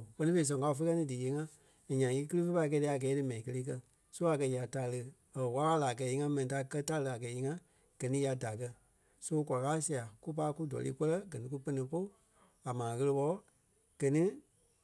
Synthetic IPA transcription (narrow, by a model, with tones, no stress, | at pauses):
pɜ˦nĩ˦fe˧i˧s̬ɔ̃˨ŋ˨ka˧˦u˧fe˦kɜ˦nĩ˧˦dɨ˨je˨˦ŋã˧˨ | ɲã˨i˧˦kɨ˦lɨ˦fe˦pa˧˦˧kɛː˧˦ɛ˧˦˨a˨ɡɛː˨˦dɨ˨˦mɛ̃˨ĩ˨kə˧leː˦k̬ɜ˧ | so˦a˨kɜ˧ja˨ta˧˨˧lə˧ | ə˨wa˦aː˦laː˨k̬ɛː˨˦i˧ŋã˧˦mɛ̃˨nĩ˨ta˧˦˧kɜ˦ta˧˦lə˧˨a˨ɡɛː˨˦i˧˦ŋã˦ | ɡ̥ɜ˨nĩ˦a˧da˨k̬ɜ˧ | so˦kʷa˨˧aː˦si˦a˨ku˦p̬a˧˦ku˦dɔ̰˨lḭː˦kə˦lɜ˦ɡɜ˨nĩ˦k̬u˦pə˧nĩ˧po˦ | a˨mãː˨ɣə˧lə˧ɓɔ˧˦ | ɡ̥ɜ˨nĩ˦